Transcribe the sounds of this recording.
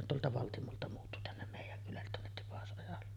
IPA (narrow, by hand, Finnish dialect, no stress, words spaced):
on tuoltɑ ʋɑltimoltɑ muːtːu tænːem meˑijˑæŋ kylælːet tuonːet tipɑsʔojɑlːe